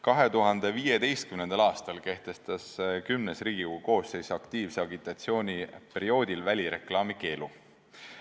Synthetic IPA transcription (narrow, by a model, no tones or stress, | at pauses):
kɑɦe̞t̪uɦɑnd̪̥e̞viːjed̪e̞jst̪̚kymnend̪ɑlɑːst̪ɑlke̞ht̪e̞st̪ɑskymnesriːɡ̥iuɡuko̞ːse̞jsɑkt̪iːvseɑɡit̪ˑɑt̪sio̞ːnʲipe̞ɾio̞ːd̪̥ʲilvælʲiɾe̞̰klɑːmike̞ːlu